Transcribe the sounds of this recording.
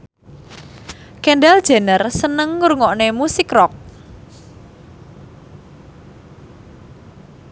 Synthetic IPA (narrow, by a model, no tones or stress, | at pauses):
kɛnɖɛld̥ʒ̥e̤nərsənəŋːurŋɔʔnemusikrɔk̚